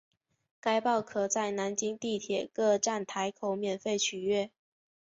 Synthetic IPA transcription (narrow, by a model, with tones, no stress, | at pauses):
ka˥ɪpɑ˥˩ʊkʰɤ˨˩t͡sa˥˩ɪna˧˦˥nt͡ɕi˥ŋt̪i˥˩t̪ʰjɛ˨˩kɤ˥˧ʈ͡ʂa˥˩nt̪ʰa˧˥ɪkʰo˨˩˦ʊmjɛ˨˩nfe˥˩ɪt͡ɕʰy˨˩ɥɛ˥˩